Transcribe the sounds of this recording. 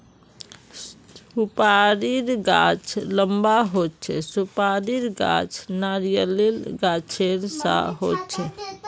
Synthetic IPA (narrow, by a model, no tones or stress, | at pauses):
upaɾiɾɡat͡ʃʰləmbaɦot̪̚t͡ʃʰɛsupaɾiɾɡa̰t͡ʃʰnaɾijəlilɡat͡ʃʰeɾsa̰ɦot̪t͡ʃʰɛ